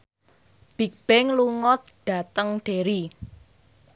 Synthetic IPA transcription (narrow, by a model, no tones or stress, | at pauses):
b̥i̤k̚b̥ɛŋluŋɔt̪̚ɖ̥a̤t̪əŋɖ̥e̤ɾi